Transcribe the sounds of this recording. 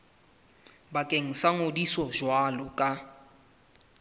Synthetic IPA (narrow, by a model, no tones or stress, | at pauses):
bakʼeŋ̩saŋodisɔʒwalɔkʼa